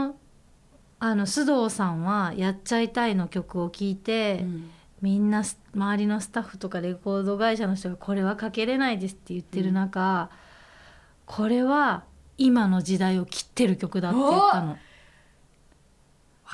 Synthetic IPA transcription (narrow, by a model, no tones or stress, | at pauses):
o | ano̞ɕɨd̪o̞ːsãɰ̃βajat͡ɕait̪aino̞kʲo̞kɯ̟o̞kʲiːt̪e̞ | mʲĩnːas | maβaɾʲino̞sɨ̥t̪aɸːɯ̟̥t̪o̞kaɾe̞ko̞ːd̪o̞ɡaiɕanoçi̥t̪o̞ɡakʰo̞ɾe̞β̞akake̞ɾe̞naid̪e̞sɨ̥t̪ːe̞jɯ̟t̪ːe̞ɾɯ̟naka | kʰo̞ɾe̞βa | imano̞d͡ʑid̪aio̞kʲi̥t̪ːe̞ɾɯ̟kʲo̞kɯ̟d̪at̪ːeit̪ːano̞